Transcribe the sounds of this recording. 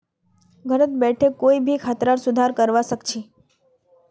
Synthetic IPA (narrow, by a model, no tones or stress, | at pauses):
ɡʱəɾət̪bɛʈʰekoibʱikʰat̪ɾaɾsud̪ʱaɾkəɾʋaʃəkt͡ʃʰi